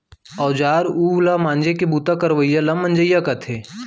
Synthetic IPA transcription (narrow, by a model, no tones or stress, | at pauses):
ɔːd͡ʒaːɾuːlamãːnd͡ʒekebuːt̪akɐɾʋəjalɐmːə̃nd͡ʒəjːakɐt̪ʰeː